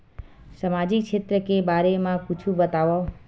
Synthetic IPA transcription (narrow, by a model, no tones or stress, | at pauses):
səmad͡ʒikʃʰet̪ɾəkebaɾemãput͡ʃʰũbət̪aʋo